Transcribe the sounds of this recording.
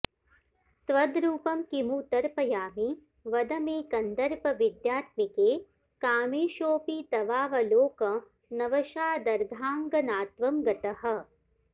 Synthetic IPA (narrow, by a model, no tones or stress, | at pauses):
t̪ʋɐd̪ɾuːpɐmkimut̪ɐɾpɐjaːmi | ʋɐd̪ɐmeːkɐnd̪ɐɾpɐʋid̪jaːt̪̚mikeː | kaːmeːʃoːpit̪ɐʋaːʋɐloːkɐ | nɐʋɐʃaːd̪ɐɾɡʱaːŋɡɐnaːt̪ʋɐmɡɐt̪ɐɦɐ̆